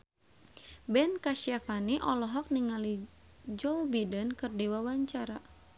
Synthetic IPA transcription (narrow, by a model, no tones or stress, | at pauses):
bɛnkaʃafaniʔɔlɔɦɔk̚niŋali | d͡ʒɔbidənkɨrdɛwawaɲt͡ʃaɾa